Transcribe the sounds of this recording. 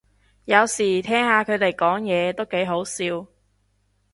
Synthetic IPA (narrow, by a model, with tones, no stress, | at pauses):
jɐ˨˧wsiː˨˩t̪ʰɛː˥ŋhaː˨˧kʰɵ˨˧ɥt̪e˨˩jkɔː˨˥ŋjɛː˨˧t̪o˥wke˨˥jɦo˨˥wsiː˧w